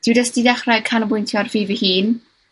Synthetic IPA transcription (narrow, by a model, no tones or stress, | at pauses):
d̥ɪwdasd̥idaχrakʰanəbʊjntʰjɔrviːvihiːn